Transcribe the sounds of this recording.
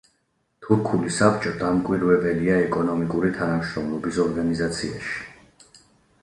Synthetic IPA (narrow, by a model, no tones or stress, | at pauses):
t̪ʰuɾkʰulisapt͡ʃʼɔd̪amkʼwiɾwɛbɛliaɛkʼɔnɔmikʼuɾit̪ʰanamʃɾɔmlˠɔbisɔɾɡanizat̪sʰia̰ʃi̥